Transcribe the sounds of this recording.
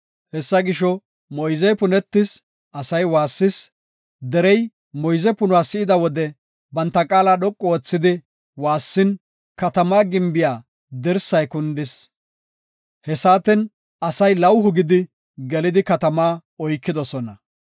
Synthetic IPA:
hɛsːɐɡɪʃɔ | mɔjzɛjpʊnɛt̪ːɪs | ʔɐsɐjwaːsːɪs | d̪ɛɾɛj | mɔjzɛpʊnʊwaːsɪʔɪd̪ɐwɔd̪ɛ | bɐnt̪ːɐkʼaːlaːɗɔkʼːɔoːt͡sːɪd̪ɪ | waːsːɪn | kɐt̪ɐmaːɡɪmbɪjaː | d̪ɛɾsɐjkʊnd̪ɪs | hɛsaːt̪ɪn | ɐsɐjlɐwɦʊɡɪd̪ɪ | ɡɛlɪd̪ɪkɐt̪ɐmaːɔjkːɪd̪ɔsɔnɐ

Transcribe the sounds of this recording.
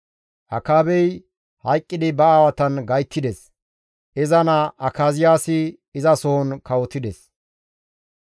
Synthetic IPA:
ʔɐkaːbɛj | hɐjkʼːɪd̪ɪbɐaːwɐt̪ɐnɡɐjt̪ːɪd̪ɛs | ɪzɐnɐʔɐkaːzɪjaːsɪː | zɐsoɔnkɐwɔt̪ːɪd̪ɛs

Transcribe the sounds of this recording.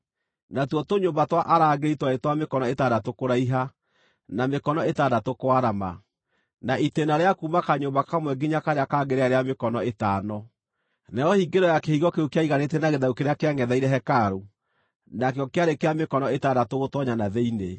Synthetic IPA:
natwɔtoɲoːmbatwaʔaɾaːɡeɾitwaetwamekɔnɔetaːdatokoɾaiɦa | namekɔnɔetaːdatokoaɾama̰ | naʔitenaɾeakuːmakaɲombakamwɛɡiɲakaɾeakaːɡeɾeaɾeamekɔnɔetaːnɔ | nɛɾɔhiɡeɾɔjakehiɣɔkeukeaiɣanet̬ɛnaɣeðaukeɾeakeaŋɡɛðaiɾɛɦɛkaɾo | nakeɔkeaɾekeamekɔnɔetadatoɣotɔɲanaðeine

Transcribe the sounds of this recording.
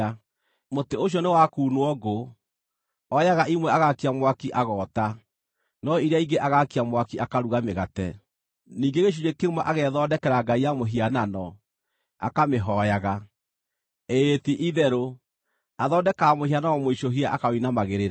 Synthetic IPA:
moteoɕ̬ɔnewakuːnwɔɡo | ɔjaɣaʔimwɛaɣakiamwakiʔaɣɔːta | nɔiɾeaiɡeʔaɣakiamwakiʔakaɾuɣameɣatɛ | niːŋɡeɣeʃ̬uɲekemwaʔaɣɛðɔdɛkɛɾaɡaijamoɦiananɔ | a̰kameɦɔjaɣa | etiʔiðɛɾo | aðɔːdɛkamohianaɔmoiʃoɦiaʔakawinamaɣeɾeɾa

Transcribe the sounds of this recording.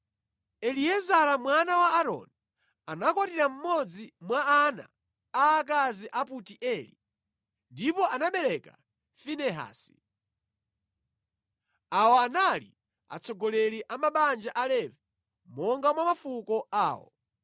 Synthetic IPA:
ɛliɛzaɾamwanawaːɾɔ̰ni | anakwatiɾam̩mɔd͡zimwaana̰ | aːkaziʔaputiʔɛlḭ | ndipɔanaɓɛɾɛka̰ | finɛɦa̰ːsi̥ | awɔanalḭ | a̰t͡sʰɔɡɔlɛɾiʔamaɓand͡ʒaʔalɛvɛ | mɔŋɡamwamafukɔa̰ːwɔ̰

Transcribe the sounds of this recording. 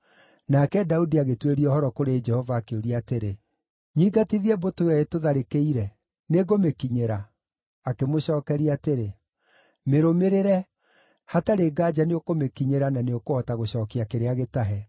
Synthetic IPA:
nakɛdaudiaɣetweɾiɔhɔɾɔkoɾed͡ʒɛhɔvaːkeoɾiateɾe | ɲiːɡatiðiɛbotoɛetoðaɾekeiɾɛ | neɡomekiɲeɾaː | kemoɕɔːkɛɾiateɾe | meɾomeɾeɾɛ | hataɾeːɡaːd͡ʒaneokomekiɲeɾananeokohɔtaɣoɕɔːkiakeɾeaɣetaɦɛ

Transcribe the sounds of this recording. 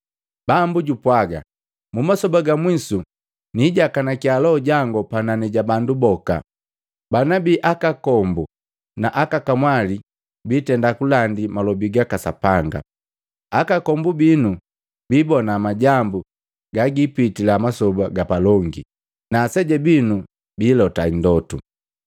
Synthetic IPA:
bambuɟupwaɡa̰ | mumasɔbaɡamwisu | niɟakanakialɔɔɟaŋɡɔpananɛɟabandubɔka̰ | banabiʔakakɔmbu | naʔakakamwali | biːtɛndakulandimalɔbiɡakasapaŋɡa̰ | akakɔmbubinu | biːbɔnamaɟambu | ɡaɡipitilamasɔbaɡapalɔŋɡḭ | nasɛɟɛbinu | biːlɔtandɔtṵ

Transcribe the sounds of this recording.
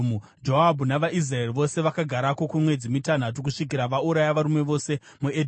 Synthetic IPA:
mu | d͡ʒoɦabʱunaʋaʔis̬raeriʋo̞se̞ʋakaɡʱaɾakokumwe̞d͡zimitan̤at̬ukuʂik̬iɾaʋauɾajaʋaɾume̞ʋo̞se̞ | muedʱ

